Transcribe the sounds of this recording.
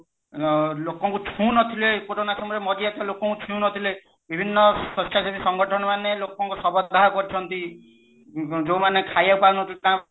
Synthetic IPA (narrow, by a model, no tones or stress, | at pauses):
lokɔŋkut͡ʃʰũnɔt̪ʰilekoɾonasɔmɔɾemɔd͡ʒiɛt̪alokɔŋkut͡ʃʰũũnɔt̪ʰile | bʱibʱinːɔsɔsʈʰasibisɔŋɡɔʈʰɔnɔmanelokɔŋkusɔbɔd̪ʱaɔkɔɾit͡ʃʰɔnt̪i | d͡ʒowmanekʰajapaunɔt̪ʰilet̪ãː